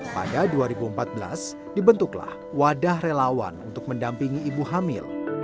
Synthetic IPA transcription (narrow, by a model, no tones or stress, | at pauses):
pa̰daduaɾibuəmpat̪̚bəla̰s | dibənt̪ʊkla̰h | wadahrelawa̰nunt̪ʊk̚məndampiŋiːbuɦamɪ̰l